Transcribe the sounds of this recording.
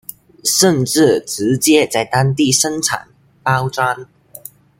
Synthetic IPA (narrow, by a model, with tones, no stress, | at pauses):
ʂə˥˧nʈ͡ʂɻ̩˥˩ʈ͡ʂɻ̩˧˥t͡ɕjɛ˥t͡sa˥˩ɪt̪a˥ŋt̪i˥˨ʂə˥nʈ͡ʂʰa̰˨˩n | pa˥ʊʈ͡ʂwa˥n